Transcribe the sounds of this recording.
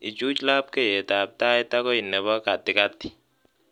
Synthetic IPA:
ɪ˨t͡ʃu˦t͡ʃla˦p̚ke˦˨je˨ta˨p̚ta˦ɛ˦ta˦kɔ˦i˨nɛ˨bɔ˦ka˨tɪ˦ka˦ti̥˨

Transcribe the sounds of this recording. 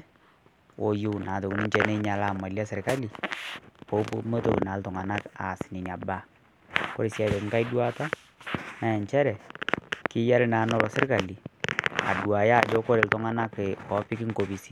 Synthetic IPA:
wo˨ju˦na˨to˨ku˨ni˦ɲt͡ʃɛ˦ne˦ɲa˨la˦˨ma˨lja˦se˨rka˦li˨po˦po˦mo˦to̰˨na˨˦ltɔ˨ŋa˨na˦ka̰˨sɪ̥˨nɪ˨na˨ba˦ | ko˦ɾi˨sja˨te˨tŋka˦i˦dwa˦ta˦ | na˨jɛ˨ɲt͡ʃɛ˦ɾɛ˨kɪ˦ja˦lna˨˦nɔ˦ɾɔ˨se˦rka˨li˨a̰˨dwa˨ja˦˨d͡ʒɔ˦kɔ˦ɾe˨ltɔ˦ŋa˦na˦ke˨kɔ˨˦pɪ˦ki˦ŋko˨pi˨si˦

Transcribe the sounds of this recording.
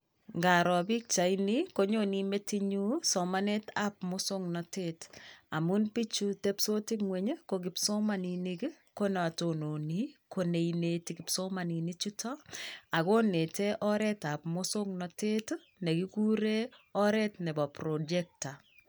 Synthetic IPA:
ŋɡa˨ɾɔ˨bi˦k̚t͡ʃa˨ini˦ko˦ɲoni˦me˦ti˦ɲu˦sɔ˨ma˦ne˦ta˦p̚mʊ˦so˦ŋnɔ˨te˦ta˨mu˦npi˦t͡ʃu˦te˦pso˦ti˦kŋwe˨ɲe˦ko˨ɡɪ˨pso˦ma˨ni˨ni˦ki˦ | ko˦nɔ˨a˨to˨no˨ni˦ko˨ne˨ine˨ti˨kɪ˨pso˦ma˨ni˨ni˦t͡ʃu˦tɔ˦a˨ko˦ne˨te˦ʔɔ˦ɾɛ˦ta˨pmʊ˦so˦ŋnɔ˨te˦t | nɛ˨ki˦ku˦ɾe˦ɔ˦ɾɛ˦tnɛ˨bɔ˨pɾo˨d͡ʒe˦k̚ta˨

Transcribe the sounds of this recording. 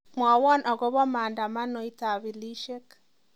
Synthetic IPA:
mwɔ˨wɔ˦nʔɔ˨ɣo˦βɔ˦maː˨nda˨ma˦no˨i˦ta˨βi˨li˦ʃe˦k

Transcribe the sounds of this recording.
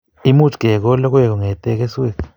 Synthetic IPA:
i˦mu˦tɡ̥ʱɛ˨k̬ɔ˦lɔ˦k̬wɛ˦˨k̬ɔ˨ŋɛ˨tʼɛ˦k̬e˦swe˦˨k

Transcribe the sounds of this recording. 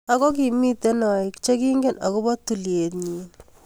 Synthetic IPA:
a˨kɔ˦k̬i˨mi˦t̪e˦nɔ˨i˨kt͡ʃe˦ki˦ŋɡe˦na̰˨ko˦bɔ˦t̪ːu˨lje˨t̪ɲiː˨n

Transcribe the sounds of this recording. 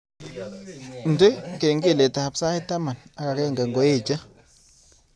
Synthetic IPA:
n̩˨te˦˨ke˨ŋɡi˦˨le˨ta˨a˨psa˦i˦ta˦ma˨na˨ka˨ke˦˨ŋ˨ɡa˨ŋɡo˨˦je˦˨d͡ʒa˦

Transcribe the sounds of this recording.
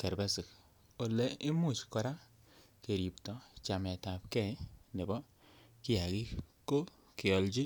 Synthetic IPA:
kɛ˨ɾbɛ˦sɪ˨k | o˨le˨ɪ˦mʊ˦˨t͡ʃkɔ˨ɾa˦ | ke˨ɾi˨ptɔ˨t͡ʃa˨mɛ˨ta˨p̚kɛ˦˨˦ne˨bɔ˦ | kɪ˦a˨kɪ˦ko˦ | kɪ˨ɔ˨ld͡ʒi˦

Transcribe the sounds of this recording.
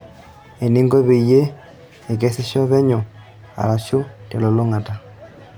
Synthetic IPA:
e˨ni˦ŋɡo˦βe˨i˨je˦ | e˨k̬ɛ˦se˦ʃjɔ˦βɛ˦ɲo˨ | a̰˨ɾa˨ʃo˦te˨lo˨lo˦ŋa˨ta˨

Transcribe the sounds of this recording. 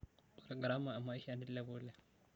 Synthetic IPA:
u˨ɾa˨ɡɾa˦ma˨a˨mːa˦i˦ʃa˦˨ni˦da˦bo˦le˨

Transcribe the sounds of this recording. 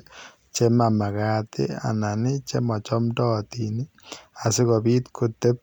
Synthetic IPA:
t͡ʃe˦ma˨ma˨ka˦t̪ɪ̰˦a̰˨na˨nɪ˦t͡ʃe˦mɔ˨t͡ʃɔ˦mtɔ˦t̪ini˦ | a˨sɪ˦kɔ˨bi˦t̪kʰu˨t̪e˦p̚

